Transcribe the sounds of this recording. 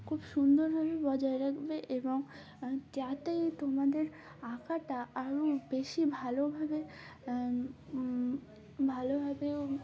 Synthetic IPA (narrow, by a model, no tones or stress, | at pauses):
kʰubʃund̪oɾbʱabebɔd͡ʑaeɾakʰbeʔeboŋ | t̪jat̪ejt̪omad̪eɾ | akaʈaʔaɾobeʃibʱalobʱabe | bʱalobʱabe